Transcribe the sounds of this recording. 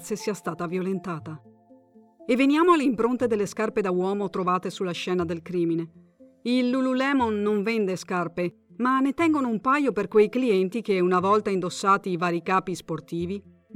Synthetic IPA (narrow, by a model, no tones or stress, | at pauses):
sesiːast̪aːt̪avjolent̪aːt̪a | evːenjaːmoalːeimpɾont̪ed̪elːeskarped̪awɔːmot̪ɾovaːt̪esulːaʃɛːnad̪elkɾiːmine | ilːululɛːmonːoɱvɛnd̪eskarpe | manːet̪ɛŋɡonoumpajoperkwejkliɛnt̪ikeunavɔlt̪aind̪osːaːt̪ivaːɾikaːpisport̪iːvi